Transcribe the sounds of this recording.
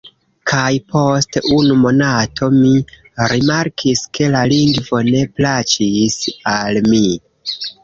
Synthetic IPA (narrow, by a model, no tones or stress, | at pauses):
kʰajpʰo̞stunumo̞natʰo̞mi | ɾimaɾkʰiskʰe̞laliŋɡvo̞ne̞plat͡ʃisalmi